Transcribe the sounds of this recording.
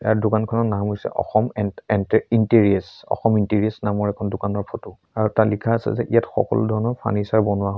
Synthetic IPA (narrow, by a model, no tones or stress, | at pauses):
ɛadʊkankʰɔnɔnamɦojsɛ̰ʔɔ̰xɔmɛnɛntinteɹiɛsɔ̰xɔmintiɹiɛsnamɔɹɛkʰɔndʊkanɔɹpʰɔtu | aɹutalikʰaːsɛ̰zɛ̰ʔḭjatxɔ̰kɔ̰ludʱɔɹnɔɹpʰa̰nisaɹbɔnʊwaɦɔ